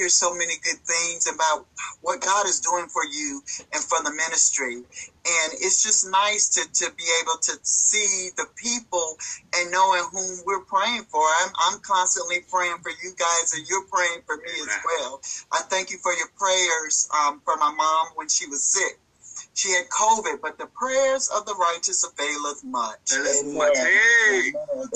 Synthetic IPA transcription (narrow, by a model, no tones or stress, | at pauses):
ə˞z̥soʊmɛniɡʊd̪̚θɪ̃ŋzɨbaʊt̚wʌt̚ɡ̥ɑɾɨzduɪ̃ŋfə˞jʉɨ̃nfə˞ðəmɪ̃nɨstɹ̥iɨ̃nɪtsd̥ʒ̥ʌsnaɪstʰɨtʰɨbieɪbl̩ˠtʰɨsiðɨpʰipl̩ˠɨ̃nːoʊɪ̃ŋɦũmwɪɹpʰɹ̥eɪɪ̃ŋfə˞ãɪ̃mʔã̰ɪ̃mkʰɑ̃nstə̃nʔlipʰɹ̥eɪɪ̃ŋfə˞jɨɡaɪzə˞jə˞pʰɹ̥eɪɪ̃ŋfə˞miɨzwɛlˠʔãɪ̃mθæ̃ŋkjɨfə˞jə˞pʰɹ̥eɪə˞z̥ʌ̃mfʌ̃˞maɪmɑ̃mwɨ̃nʃiwʌz̥sɪk̚ | ʃiɨd̚kʰoʊvɨd̚bʌt̪̚ðɨpʰɹ̥ɛəzʌvðəɹaɪt͡ʃɨsəveɪlˠʌvmʌt͡ʃ